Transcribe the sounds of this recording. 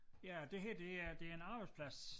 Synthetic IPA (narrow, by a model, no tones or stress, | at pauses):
jæd̥e̝ɦæɐd̥e̝æd̥e̝æɐenɑ̈ːb̥ɑ̈ɪd̥spʰlæs